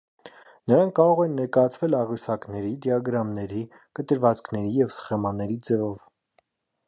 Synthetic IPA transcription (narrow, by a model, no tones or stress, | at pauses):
nəɾɑŋkʰːɑɾɔʁɛnːɛɾkɑjɑt͡sʰvɛlɑʁysɑknɛɾid̪jɑɡɾɑmnɛɾi | kət̪əɾvɑt͡skʰnɛɾijɛvsχɛmɑnːɛɾid͡zɛvɔv